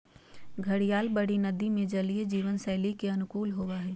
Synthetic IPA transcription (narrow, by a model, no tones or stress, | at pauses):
ɡʱəɽijaːlbəɽinəd̪imẽd͡ʒəlied͡ʒiːʋənsɛːlikeɐnʊkuːlɦoʋaɦɛː